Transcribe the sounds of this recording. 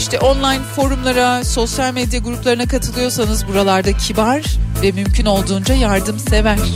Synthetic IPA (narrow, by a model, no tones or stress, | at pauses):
iʃt̪ʰɛʔo̞nlˠajnfo̞ɾumlˠaɾaso̞sjalʲmed̪jaɡuɾuplˠaɾɯnakʰat̪ʰɯlˠɯjo̞sanɯzbuɾalˠaɾd̪acʰibaɾvɛmymcʰyno̞lˠd̪uːnd͡ʒajaɾd̪ɯmse̞væɾ̥